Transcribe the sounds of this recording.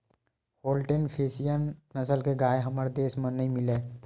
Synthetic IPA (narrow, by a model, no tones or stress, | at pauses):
hoːlʈenpʰeːsijənːəsəlkeɡaːeɦəməɾd̪eːsmə̃nːəĩmɪleː